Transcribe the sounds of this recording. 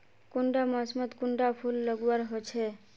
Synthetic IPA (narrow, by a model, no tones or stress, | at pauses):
kuɳɖamɔsmɔt̪kuɳɖapʰulːɔɡuaɾɦot͡ʃʰe